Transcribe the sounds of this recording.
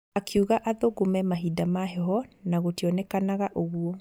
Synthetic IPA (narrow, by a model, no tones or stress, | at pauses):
akʰeuɣaʔaðoɡomɛmaɦidamaɦɛɦɔnaɣotiɔnɛkanaɣaʔoɣuɔ